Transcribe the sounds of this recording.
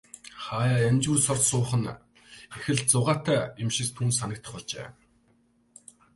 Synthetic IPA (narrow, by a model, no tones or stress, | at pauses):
χaːjaːjamʲt͡ɕuːrsɔrt̪sʊːχə̆n | exɘ̆ɮt͡sʊʁaːt̪ʰæːimʃĭkt̪ʰuːnsanə̆k̚t̪ʰə̆χɔɮt͡ɕḛː